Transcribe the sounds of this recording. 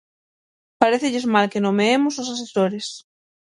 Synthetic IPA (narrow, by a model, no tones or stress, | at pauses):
paɾeθeʎezmalkenomeemʊsos̬asesoɾes